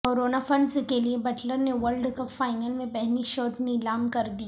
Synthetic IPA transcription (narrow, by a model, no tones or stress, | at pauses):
koːɾoːnafɐ̃nskeliebɐʈləɾneʋəɾlɖkɐpfaːɪnəlmẽbɛɦniʃɔːʈnilaːmkɐɾd̪i